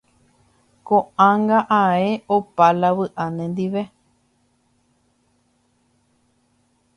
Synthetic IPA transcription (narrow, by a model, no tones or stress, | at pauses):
kõãŋɡaʔaeʔopalaβɨʔanẽnd̪iʋe